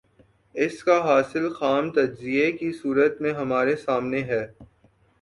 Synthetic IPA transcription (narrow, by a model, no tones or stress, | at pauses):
ɪskaɦaːsɪlxaːmt̪ɐd͡ʒziekisuːɾət̪mẽɦɐmaːɾesaːmneɦɛː